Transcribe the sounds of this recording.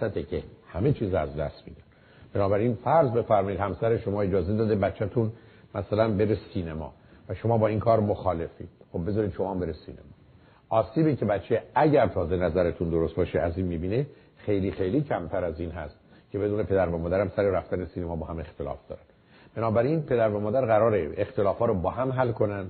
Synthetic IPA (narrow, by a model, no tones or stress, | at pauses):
sæt̪ʰecʰehæme̞t͡ʃʰiːzæzd̪æ̰st̪mḭːd̪æn | b̥enɒːbæɾinfæɾzbe̞fæɾmɒːid̪hæmsæɾeʃo̞mɒːe̞d͡ʒɒːze̞d̪ɒːd̪ebæt̪t͡ʃʰːæt̪ʰun | mæsælænbe̞ɾesiːnemɒ̰ː | væʃo̞mɒːbɒːinkʰɒːɾmoxɒːle̞fḭxob̚ːezɒːɾiːd̪ʃomɒːmbe̞ɾesḭːnḛmɒː | ʔɒːsiːbicʰe̞bæt̪t͡ʃːʰeæɟæɾt̪ʰɒːze̞næzæɾet̪ʰund̪oɾost̪̚bɒːʃeæziːnmiːbiːne | xejliːxe̞jliːcʰæmt̪ʰæɾæziːnɦæ̰st̪̚ | cʰe̞be̞d̪uːne̞pʰe̞d̪æɾvæmɒːd̪æɾæmsæɾeɾæft̪ænesiːnemɒːbɒːhæmext̪elɒ̰ːfd̪ɒ̰ːɾæd̪̥ | b̥enɒːbæɾinpʰe̞d̪æɾvæmɒːd̪æɾɣæɾɒːɾeext̪e̞lɒːfɒːɾɔbɒːɦæmɦælkʰo̞nænd̪̥